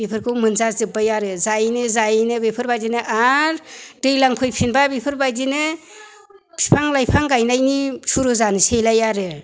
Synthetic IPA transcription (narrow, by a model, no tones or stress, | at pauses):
bipʰɯɾkʰɯwmɯnzazɯbajaɾɯzajnɯzajnɯbipʰɯɾbajdinɯʔaɾdɯjlaŋpʰɯjpʰinbabipʰɯɾbajdinɯ | pʰipʰaŋlajpʰaŋɡajnajnisuɾuzanɯsejlajaɾɯ